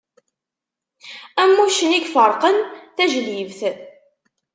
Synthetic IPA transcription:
æmːuʃəniɡfəɾˤqənθæʒlivθ

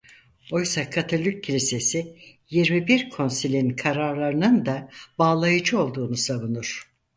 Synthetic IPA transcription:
o̞jsakʰat̪ʰolʲycʰːilʲise̞sijiɾmibiɾkʰo̞nsilʲinkʰaɾaɾlˠaɾɯnɯnd̪abaːlˠajɯd͡ʒɯo̞lˠd̪uːnusaβunuɾ̥

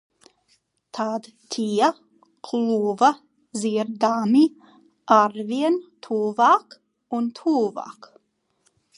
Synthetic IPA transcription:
t̪ʰaːd̪ | t̪ʰiːa | kʰluːva | ziːəɾd̪aːmi | ʔaɾviənt̪ʰuːvak | ɔnt̪ʰuːva̰k

